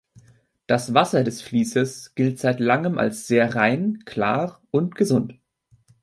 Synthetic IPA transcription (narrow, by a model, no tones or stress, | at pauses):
d̥asv̥asɐdɛsfliːsəsɡ̥ɪltz̥aɪtlaŋəmʔa̰lsz̥eːɐʁaɪnkʰl̥a̰ːʁʔʊntɡ̥əzʊnt